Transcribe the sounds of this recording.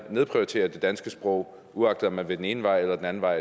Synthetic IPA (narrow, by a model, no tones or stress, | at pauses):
neð̞ˠpʰʁiʊt͡sʰe̝̰ːɐd̥e̝d̥ænsɡ̥əsb̥ʁɔʊ | uɑ̈ɡ̥d̥ðˠɒmænʋe̝d̥ene̝ːnəʋɑ̈ɪ̰elɐd̥enæn̩ʋɑ̈ɪ̰